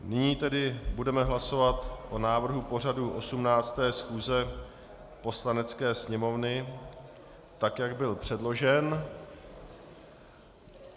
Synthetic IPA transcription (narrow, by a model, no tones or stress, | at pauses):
nɪɲiːt̪ɛdɪbudɛmɛɦlaso̞vat̪ʔo̞naːvr̩ɦupo̞r̝aduʔo̞sumnaːt͡st̪ɛːsxuːzɛ | po̞slanɛt͡skɛːsɲɛmo̞vnɪ | t̪akjaɡbɪlpr̝̥ɛdlo̞ʒɛn